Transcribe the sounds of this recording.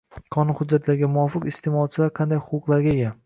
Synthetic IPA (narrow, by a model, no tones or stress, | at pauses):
qʰɒnʊnhʊd̪̚d͡ʒːat̪ʰlaɾɡʲamʊwɒfɨqɪst̪ʰemɒt͡ʃʰɪlaɾqʰɑnd̪ajhʊqʊqlˠaɾɡʲaeɡʲa